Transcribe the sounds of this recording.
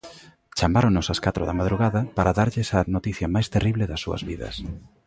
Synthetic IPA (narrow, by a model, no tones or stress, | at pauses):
t͡ʃamaɾonosɐskat̪ɾʊ̰ðɐmað̞ɾuɣaðɐpaɾaðaɾʎɪsɐnot̪iθjɐmajst̪eriβleðɐsːuɐ̰zβiðɐ̰s